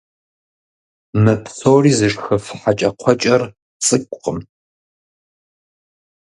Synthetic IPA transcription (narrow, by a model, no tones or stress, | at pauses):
mɨpʰɬoːriːzɨʂxɐfħat͡ʃʼɐqʷʰɔt͡ʃʼɐr | t͡sʼɨkʷʼqʼəm